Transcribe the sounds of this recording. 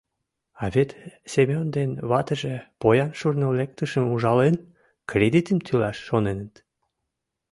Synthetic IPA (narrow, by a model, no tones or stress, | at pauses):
ɑβet̪sʲemʲond̪enβɑt̪əʒepojɑnʃurnolek̚t̪əʃəmuʒɑlen | krʲed̪it̪əmt̪ʰylɑʃːonenət̪